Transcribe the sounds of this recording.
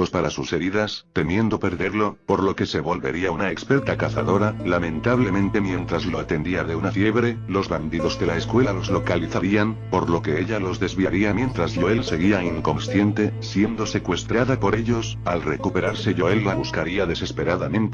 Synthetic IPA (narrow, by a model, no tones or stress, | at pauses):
pospaɾasuse̞ɾiðast̪e̞mje̞nd̪o̞pe̞ɾðe̞ɾlo̞po̞ɾlo̞ke̞se̞βo̞lβe̞̰ɾiaunaekspe̞ɾt̪akaθa̰ðo̞ɾalamẽ̞nt̪aβle̞mẽ̞nt̪e̞mjẽ̞nt̪ɾazlo̞at̪e̞nd̪iaðe̞unafje̞βɾe̞lo̞zβand̪iðo̞zðe̞laeskwe̞lalo̞zlo̞kaliθaɾianpo̞ɾlo̞ke̞eʎalo̞zðe̞zβiaɾiamjẽ̞nt̪ɾazʎoelse̞ɣiaiŋko̞nsθje̞nt̪e̞sje̞nd̪o̞se̞kwe̞st̪ɾaðapo̞ɾe̞ʎo̞salre̞kupe̞ɾaɾse̞ʎoelːaβuskaɾiaðe̞se̞spe̞ɾaðamẽnt̪